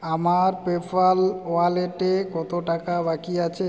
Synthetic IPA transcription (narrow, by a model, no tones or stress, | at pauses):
amaɾpepʰaloaleʈekɔt̪oʈakabakiat͡ɕʰe